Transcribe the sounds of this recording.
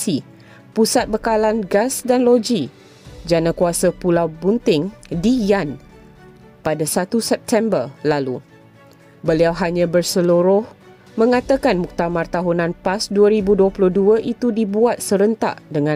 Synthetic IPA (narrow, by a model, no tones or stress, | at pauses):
si | pusat̪̚bəkalanɡasdanlod͡ʒi | d͡ʒanãkuasəpulawbunt̪ɪŋdijan | padasat̪usɛp̚t̪ʰɛmbərlalu | bəliawɦaɲãbərsəluɾʊh | mə̃ŋat̪əkanmuk̚t̪amart̪aɦunãnpasduəɾibuduəplʊhduəʔit̪udibuat̪̚səɾənt̪a̰ʔdəŋã